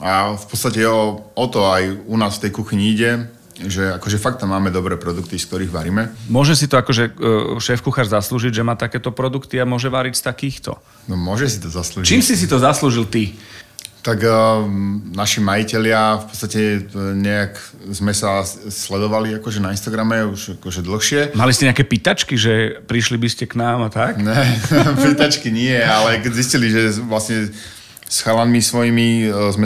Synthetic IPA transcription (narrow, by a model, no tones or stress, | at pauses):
afpɔt͡st̪acɛɔɔt̪ɔajunaːsft̪ɛjkuxiɲiiɟɛ | ʒɛakɔʒɛfak̚t̪ːamːaːmɛd̪ɔbɾɛːpɾɔd̪uk̚t̪isk̚t̪ɔɾiːɣʋaɾiːmɛmʊɔʒɛs̬it̪ɔakɔʒɛʃɛːfkuxaːɾzasluːʒiɟʒɛmaːt̪akɛːt̪ɔpɾɔd̪ukt̪iamʊɔʒɛʋaɾicst̪akiːxt̪ɔ̰ | nɔmʊɔʒɛsit̪ɔzaslut͡ʃiːmsis̬it̪ɔzasluːʒilt̪i | t̪aɡ | naʃimajicɛlɪafpɔ̥t̪st̪acɛɲɛak | zmɛsaslɛd̪ɔʋaliakɔʒɛnainst̪aɡɾamɛuʃakɔʒɛd̪l̩xʃɪɛmalis̬t̪cɛɲɛakɛːpit̪at͡ʃkiʒɛpɾiʃlibiscɛknaːmat̪akɲɛpit̪at͡ʃkiɲɪɛalɛkɛɟzisciliʒɛʋlasɲɛ | sxalanmisʋɔjimizmɛ